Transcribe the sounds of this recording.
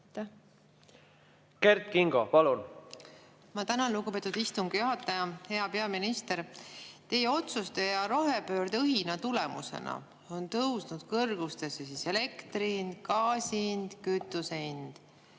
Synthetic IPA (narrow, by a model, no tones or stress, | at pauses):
ke̞rt̪kiŋɡ̥opɑlun | mɑt̪ænɑluɡupe̞ːt̪ːˑud̪̥ist̪uŋɡ̥juɦɑt̪ːˑɑjɑhe̞ɑpe̞ɑminist̪e̞ɾt̪e̞jeo̞t̪sust̪e̞jɑɾo̞ɦepø̞ːɾd̪ɤɦinɑt̪ule̞mṵsḛnɑ̰ | o̞nt̪ɤwsnud̪̥kɤrɡ̥ust̪e̞sːesise̞le̞kt̪ɾind̪̥kɑːsiind̪̥kyt̪ːˑuseind̪̥